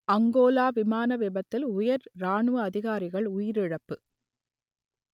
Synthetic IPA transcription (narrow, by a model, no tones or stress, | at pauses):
ɐŋɡoːlaːʋɪmaːnɐʋɛbɐt̪ːɪlʊjɐɾɾaːɳɯɐɐðɪɣaːɾɪɣɐɭʊjɪɾɪɻɐpːɯ